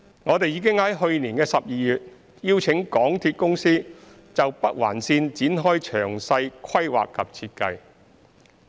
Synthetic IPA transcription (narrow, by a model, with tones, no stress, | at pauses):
ŋɔː˨˧t̪e˨jiː˨˧kɪ˥ŋhɐ˨˥jɦɵ˧ɥniː˨˩nkɛː˧sɐ˨p̚jiː˨jyː˨t̚ | jiː˥wt͡sʰɪ˨˥ŋkɔː˨˥ŋt̪ʰiː˧t̚kʊ˥ŋsiː˥ | t͡sɐ˨wpɐ˥k̚wa̰ː˨˩nsiː˧nt͡siː˨˥nɦɔː˥jt͡ʃʰœː˨˩ŋsɐ˧jkʰɐ˥jwa̰ː˨kʰːɐ˨p̚t͡sʰiː˧t̚kɐ˧j